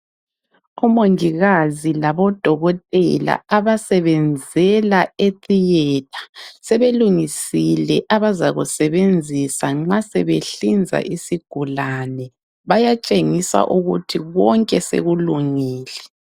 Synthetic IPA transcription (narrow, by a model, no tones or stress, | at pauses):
umoŋiɣazilaβɔd̥ʱɔɣɔtʼɛ̰la̰aβasɛβɛnd͡zʱɛlaetʼijɛt̚ʼʰḁsɛβeluŋisilɛʔaβazaɣusɛβend͡zʱisaŋ͡ǁasɛβeɬind͡zʱa̰ʔisiɡ̥ʱulanɛ | βajat͡ʃʼeŋisa̰ʔuɣṵtʰiɣɔŋkʼɛsḛɣuluŋiːlɛ